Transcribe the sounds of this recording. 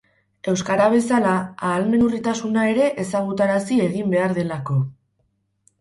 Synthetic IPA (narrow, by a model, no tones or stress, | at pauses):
e̞wskaɾaβ̞e̞salaaːlme̞nurit̪asunae̞ɾe̞ʔesaɣ̞ut̪aɾasie̞ɣimbe̞aɾðe̞lako̞